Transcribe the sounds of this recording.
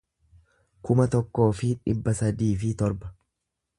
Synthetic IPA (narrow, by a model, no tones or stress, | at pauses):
kʊmɐt̪ɔkːo̞ːfɪᶑɪbːɐsɐd̪iːfɪt̪ɔɾbɐ̥